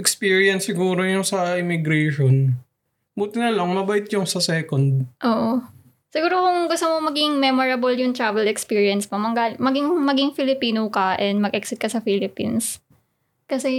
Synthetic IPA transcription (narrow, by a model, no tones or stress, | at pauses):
ɛkspiːɹiɐnsːɪɡuːɾojʊŋsɐɪmɪɡɾɛːʃon | buːt̪ɪnɐlɐŋmɐbɐʔɪt̪̚jʊŋsɐsɛːkond̪̚ʔoːʔo | sɪɡuːɾokʊŋɡʊst̪omomɐɡɪŋmɛmoɹɐboljʊŋt̪ɹaːvɛlɛkspiːɹjɐnsmomɐŋɡaːlmɐɡɪŋmɐɡɪŋfɪlɪpiːnokɐʔɛnd̪mɐɡʔɛksɪt̪kɐsɐfiːlɪpḭns | kɐsɛ